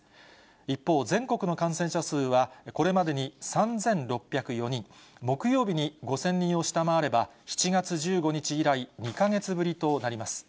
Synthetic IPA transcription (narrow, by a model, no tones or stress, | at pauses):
ipːo̞ːzẽ̞ŋko̞kɯ̟no̞kãɰ̃sẽ̞ɕasɨːβako̞ɾe̞mad̪e̞ɲ̟isãnd͡zẽ̞nɾo̞pːʲjakɯ̟jo̞ɲ̟ĩŋmo̞kɯ̟jo̞ːbʲiɲ̟iɡo̞sẽ̞ɲ̟ːĩɰ̃o̞ɕi̥t̪amaβaɾe̞baçi̥t͡ɕiɡat͡sɨʑɨːɡo̞ɲ̟it͡ɕiːɾaiɲ̟ikaŋe̞t͡sɨbɯ̟ɾʲit̪o̞naɾʲimasɨ̥